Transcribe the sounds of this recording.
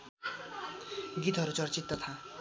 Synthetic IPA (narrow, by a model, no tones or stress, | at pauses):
ɡit̪ɦʌɾut͡sʌrt͡sit̪ːʌt̪ʰa